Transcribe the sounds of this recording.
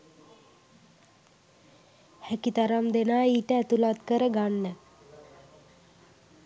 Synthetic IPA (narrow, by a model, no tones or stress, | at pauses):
hækit̪aɾamd̪enaːiːʈəæt̪ulat̪kəɾəɡanːə